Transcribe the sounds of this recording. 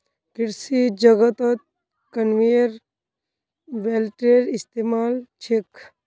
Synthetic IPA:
kɪɾsid͡ʒɐɡət̪ət̪̚ | kɐnʋiɾ | ʋeːlʈeːɾist̪eːmaːlt͡ʃʰek

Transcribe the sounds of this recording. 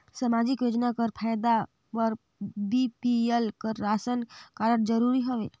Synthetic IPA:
səmad͡ʒikjod͡ʒnakəɾpʰajd̪a | pəɾ | bipielkəɾːasənkaɾəɽd͡ʒəɾuɾiɦoʋḛ

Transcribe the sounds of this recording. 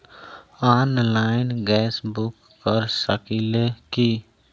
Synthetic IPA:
aːnlaːɪnɡɛːsbʊkːəɾsəkileki

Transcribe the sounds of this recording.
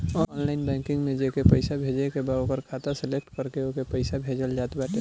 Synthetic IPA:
ɔɔːnlaːɪnbɛ̃ŋkɪ̃ŋɡmẽd͡ʒekepəɪsabʱeːd͡ʒekebaːõkəɾkʰaːt̪asɛlek̚ʈkəɾkeokepəɪsabʱeːd͡ʒəld͡ʒaːt̪baːʈe

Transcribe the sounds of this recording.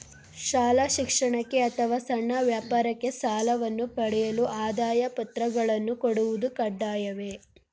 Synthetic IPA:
ʃaːlaʃikʂɐɳɐkːe̞ɐt̪ʰɐʋaːsɐɳːɐʋjaːpaːɾɐkːe̞saːlɐʋɐnːupɐɽɛjɐluʔaːd̪aːjɐpɐt̪ɾɐɡɐɭɐnːukoɽuʋud̪ukɐɖːaːjɐʋe̞

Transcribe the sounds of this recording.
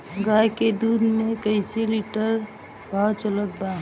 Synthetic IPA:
ɡajked̪ud̪mekəɪseliʈəɾ | bʱat͡ʃələt̪̚ba

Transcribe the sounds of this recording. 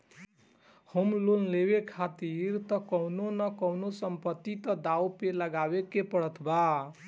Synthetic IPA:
homlollebekʰat̪iɾt̪ʌkʌwnonʌkʌwnosəmpət̪ːit̪ʌd̪awpeləɡabekepəɽʌt̪ʰba

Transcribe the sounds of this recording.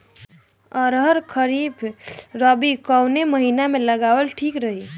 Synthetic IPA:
əɾɦəɾkʰəɾibʰɾəbikəwneməɦinameləɡawəlʈʰikɾəɦi

